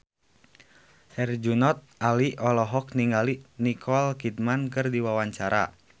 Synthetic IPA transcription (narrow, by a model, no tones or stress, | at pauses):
hɛrd͡ʒunɔt̪̚aliʔɔlɔɦɔk̚niŋɡalinikʰɔlkid̚mankɨrdiwawaɲt͡ʃaɾa̰